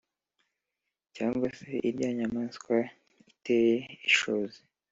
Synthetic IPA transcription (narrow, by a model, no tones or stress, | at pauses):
caːŋɡwase̞ʔiɾɟaːɲamaskwa | itejeiʃozi